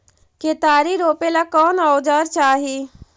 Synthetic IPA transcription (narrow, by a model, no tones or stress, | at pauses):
ket̪aːɾiɾoːpelakɔːnaʊd͡ʒəɾt͡ʃaːɦi